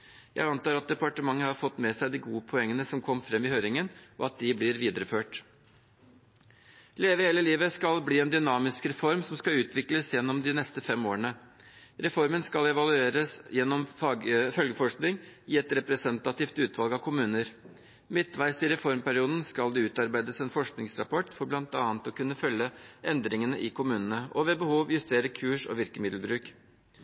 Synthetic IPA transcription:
jæ̰ɪɑnt̪ɑːɾɑt̪̚d̪ɛpɑʈəmɑŋːəhɑɾfɔt̪ːmɛsæɪd̪ɪɡuːəpʰɔɛŋːənəsɔmkʰɔmːfɾɛmːɪhøːɾɪŋənɔɑt̪̚d̪ɪblɪɾʋiːd̪əɾəføːʈ | leːʋəheːləliːʋəskɑlbliːɛnd̪ʏnɑːmɪskɾɛfɔɾmsɔmskɑʉːt̪ʰʋɪkləsjɛnːɔmd̪ɪnɛst̪əfɛmoːəɳə | ɾɛfɔɾmənskɑlɛʋɑlʉeːɾəsjɛnːɔmɑfœlɡəfɔʂknɪŋɪɛt̪ɾɛpɾɛsɛnt̪ɑt̪iːft̪ʉːt̪ʋɑlɡɑʋkʰʊmʉːnəɾ | mɪt̪ːʋæɪsɪɾɛfɔɾmpæɾɪuːd̪n̩skɑld̪ɛʉːt̪ɑɾbæɪd̪əsɛnfɔʂknɪŋsɾɑ̰pɔʈːfɔɾblɑnt̪ɑːnt̪ɔkʉnːəfœljːəɛnd̪ɾɪŋənəʔɪkʰʊmʉːnənəɔʋɛːbəhuːʋjʉst̪eːɾəkʰʉːʂɔ̰ʋɪɾkəmɪd̪lbɾʉːk

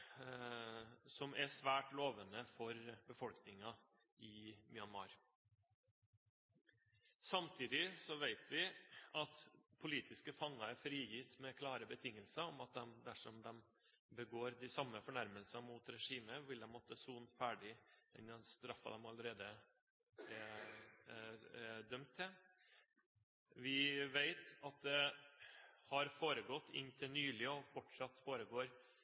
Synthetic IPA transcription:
sɔmʔɛsʋæːʈloːʋənəfɔɾbəfɔlknɪŋɑ | ʔɪmjɑnmɑɾ | sɑmt̪ʰiːd̪ɪsɔʋæɪt̪ʰʋɪɑt̪pʰʊliːt̪ɪskəfɑŋːɑfɾiːjɪt̪mɛkʰlɑːɾəbət̪ʰɪŋːəlsəɔmɑt̪̚d̪ɛmd̪æʂɔmd̪ɛm | bəɡoːɾd̪ɪsɑmːəfɔɳæɾməlsəmʊt̪ɾɛʂiːməʋɪld̪ɛmɔt̪ʰːəsuːnfæːɖɪɛnd̪ɛnst̪ɾɑfɑ̰d̪ɛmɑləɾeːd̪ə | ɛ | ɛd̪œmt̪ʰːɪl | ʋɪʋeɪt̪ɑt̪̚d̪ɛ | hɑɾfoːɾəɡɔt̪ːɪ̰nt̪ʰɪlnyːlɪəɔbɔʈʂɑt̪ːfoːɾəɡoːɾ

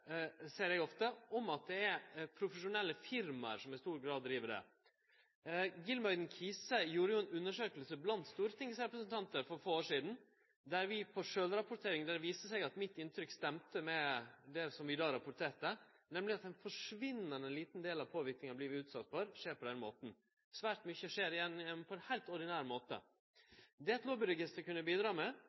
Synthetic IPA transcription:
sɛːəɾjɛɡɔft̪əɔmɑt̪̚d̪ɛæɾpʰɾʊfəʂʊnɛlːəfɪɾmɑ̰ɾsɔmɪst̪uːɾɡɾɑːd̪ːɾiːʋəɖɛ̰ | ɡɪlmɑɪd̪n̩kʰiːsəjuːɾəjʊɛnʉnːəʂøːklsəblɑnt̪st̪uːɾət̪ʰɪŋsɾɛpɾəsnt̪ʰɑnt̪əɾfɔɾfoːoːʂiːd̪n̩ | d̪æɾʋɪpʰɔʂøːlɾɑpʊʈ̪ʰeːɾɪŋd̪æɾʋiːsəsɛɡɑt̪mɪt̪ːɪnt̪ʰɾʏkst̪ɛmt̪əmɛd̪ɛsɔmʋɪd̪ɑːɾɑpʊɾʈ̪ʰeːʈə | nɛmlɪɑt̪̚d̪ɛnfɔʂʋɪnːəɾɛnliːt̪n̩d̪eːlɑʋpʰoːʋɪɾknɪŋɑbliːʋɪʉːt̪sɑt̪ːfɔɾʂeːɾpʰɔd̪ɛnmo̰ːt̪n̩ | sʋæːʈmʏçəʂeːɾɪjɛnːɛnːpʰɔɛnhæɪlt̪ɔɖɪnæːɾmoːt̪ə̰ | d̪ɛɛt̪loːbɪɾʊɡɪst̪əɾkʉnːəbiːd̪ɾɑːmɛ

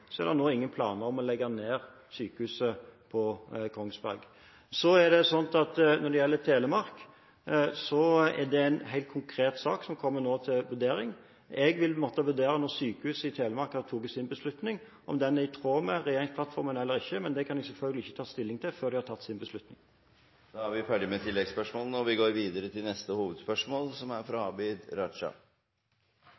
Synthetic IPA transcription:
sɔæ̰ʁɾd̪ɛnoːɪŋːənpʰlɑ̰ːnəɾɔmɔlɛɡɑneːɾ | syːkəhʉːsəpʰɔkʰɔŋsbæ̰ɾɡ | sɔæd̪ɛsɔnt̪ɑt̪nɔʁd̪ɛjɛlːət̪ʰeːləmɑɾk | sɔɛʁd̪ɛæɪnɦæɪlt̪̚kʰʊŋkʰɾeːt̪sɑːksɔmkʰɔmːənoːt̪ʰɪlʋʉɾd̪eːɾɪŋ | ɛɡʋɪlmɔːt̪əʋʉd̪eːɾənɔɾsyːkəhʉːsəɪt̪ʰeːləmɑɾkɑt̪ʰuːkɛsɪnbəslʉt̪nɪŋ | ʔɔmd̪ɛnæɪt̪ʰʁoːməɾɛjeːɾɪŋspʰlɑt̪fɔɾmənɛlːəɾɪçːəmɛnd̪ɛkʰɑnɛɡsɛlfœlɡəlɪɪçːə̥t̪ʰɑːst̪ɪlːɪŋt̪ʰɪføːɾd̪ɪhɑt̪ʰɑt̪ːsɪnbəslʉt̪nɪ̰ŋ | d̪̥ɑːæɾʋɪfæːɖɪmɛt̪ʰɪlːɛɡspœʂmoːlənɔʋɪɡoːɾʋiːd̪əɾət̪ʰɪlnɛst̪əhuːʋəd̪spœʂmoːlsɔmæɾfɾɑɑbiːd̪ɾɑd̪ʂɑ̰

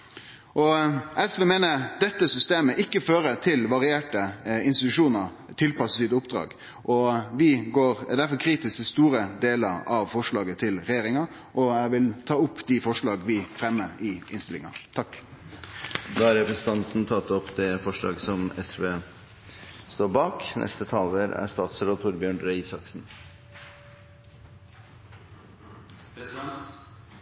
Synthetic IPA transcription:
ʔɔɛsʋeːmeːnəɾd̪ɛt̪ːəsʏst̪eːməʔɪkːəføːɾət̪ʰɪlʋɑɾɪeːʈəɪnst̪ɪt̪ʉʂuːnəɾ | t̪ʰɪlpɑsəsiːt̪əʊpd̪̥ɾɑ̰ːɡ | ʔɔʋɪɡoːɾd̪æɾfɔkʰɾiːt̪ɪskt̪ɪst̪uːɾəd̪eːləɾɑʋfɔʂɭɑːɡət̪ʰɪlɾɛjeːɾɪŋɑ | ʔɔæɪʋɪlt̪ʰɑːʊpːd̪ɪfɔʂɭɑːɡʋɪfɾɛmːəɾɪʔɪ̰nst̪ɪlɪ̰ŋɑ̰t̪ʰɑkː | d̪ɑːæɾɛpɾəsənt̪ʰɑnt̪n̩t̪ʰɑt̪ːɔpːd̪ɛfɔʂɭɑ̰ːɡsɔmɛsʋeː | st̪oːɾbɑːknʔɛ̰st̪ət̪ʰɑːləɾæ̰st̪ɑːt̪sɾɑːt̪ʰʊɾbjøːɳɾɛisɑksn̩

